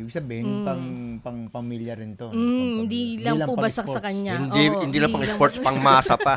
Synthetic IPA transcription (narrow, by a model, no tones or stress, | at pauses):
bɪɡ̚sɐbiːhɪnpɐŋpɐŋpɐmiljɐɾɪnt̪ohɪnd̪ilɐŋlpubɐsaksɐkɐɲaɪnd̪ihɪnd̪ilɐpɐŋɛspoɾt̪spɐŋmaːsɐpa